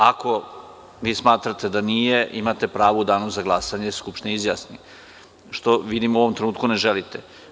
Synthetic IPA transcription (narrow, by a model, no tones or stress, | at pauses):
ako̞ | ʋiːsmaːt̪ɾat̪e̞d̪anijeʔimat̪e̞pɾaːʋoud̪aːnuzaɡlˠasaɲeskupt̪neizjasni | ʃt̪o̞ʋid̪imuoʋo̞mt̪ɾenuːt̪kune̞ʒelit̪e